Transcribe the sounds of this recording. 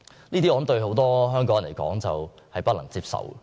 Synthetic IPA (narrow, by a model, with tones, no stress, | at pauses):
niː˥t̪i˥ɔː˨˧˨mt̪ɵ˧ɥɦo˨˥wt̪ɔː˥ɦœː˥ŋk̬ɔː˥ŋjn˨e˨˩jkɔ̰ː˨˥ŋt͡sɐ˨w | hɐ˨jpɐ˥t̚lɐ̰˨˩ŋt͡siː˧p̚sɐ̰˨w